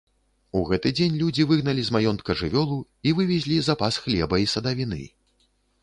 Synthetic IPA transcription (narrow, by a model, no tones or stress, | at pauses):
uɣɛt̪ɨd͡zʲenʲlʲud͡zʲivɨɣnɐlʲizmajɔnt̪kɐʐɨvʲɔlˠu | ivɨvʲɛzʲlʲizapasxlʲɛbɐisɐd̪ɐvʲinɨ̰